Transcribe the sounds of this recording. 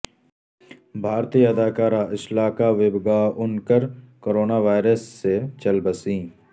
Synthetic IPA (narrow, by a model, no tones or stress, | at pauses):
bʱaːɾt̪iːjɐd̪ʱaːkaːɾaʔɪʃlaːkaʋɪbɡaʊnkəɾkoːɾoːnaʋaːɪɾəsːet͡ʃɐlbəsĩː